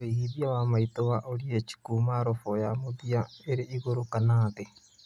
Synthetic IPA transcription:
ehiðiawamaitɔwaʔoɾieci̥kumaɾɔfɔjamoðiaeɾeiɣoɾokanaːðe

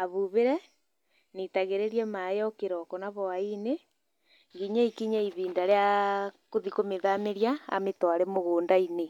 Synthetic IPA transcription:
aβuβeɾɛ | nitaɣeɾeɾiɛmajɔkeɾɔkɔnaβɔaine | ŋɡiɲaikiɲaiβiːndaɾeakoðikomeðameɾjaa̰metwaɾemoɣoːndaine

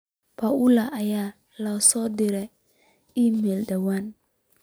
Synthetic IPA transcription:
pʰaulaʔajaː | lasɔd̪ɪɾɛ | iːmɛldawan

